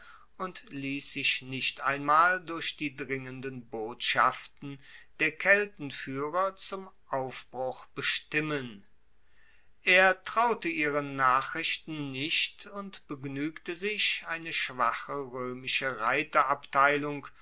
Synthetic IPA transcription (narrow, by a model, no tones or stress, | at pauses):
ʊntliːsz̥ɪçnɪʃta̰ɪnmaːldʊɐçd̥iːdʁɪŋəndənboːtʃa̰ftn̩d̥eːɐkʰɛltn̩fyːʁɐt͡sʊmʔaʊfb̥ʁʊχb̥əʃtɪmən | ʔeːɐtʁ̥aʊtəiːʁ̞ənnaːχʁ̥ɪʃtn̩nɪʃtʊntb̥əɡnyːktəzɪçʔaɪnəʃv̥aχəʁøːmɪʃəʁaɪtɐʔaptʰaɪlʊŋk